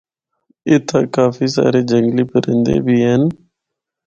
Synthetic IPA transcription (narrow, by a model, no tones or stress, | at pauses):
ɪt̪ʰaːkaːfiːsa̰ːɾeːd͡ʒəŋɡliːpəɾɪ̃nd̪ḛːbʱiːɦen